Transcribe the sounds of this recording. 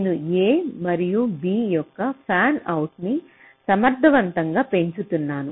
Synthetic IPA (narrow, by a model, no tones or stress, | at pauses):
nenueːmɐɾijubiːjɔkːɐpʰaːnɐwʈni | sɐmɐɾd̪ʱɐʋɐnt̪ɐŋɡaːpe̞ɲt͡ʃut̪unːaːnu